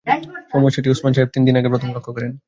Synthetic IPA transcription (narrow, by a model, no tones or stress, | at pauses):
fomoʃoʈ̬iusmanʃaeb̚t̪ind̪inaɡepɾot̪ʰomlɔkʰːokɔɾen